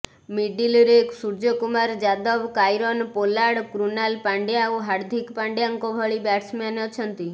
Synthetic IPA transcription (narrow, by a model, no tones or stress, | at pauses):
miɖiliɾeksuɾd͡ʒɔkumaɾd͡ʒad̪ɔbkajɾɔnpolaɽkɾunalpaɳɖjauɦaɾd̪ʱikpaɳɖejaŋkɔbʱɔɭibaʈsmaneɔt͡ʃʰɔnt̪i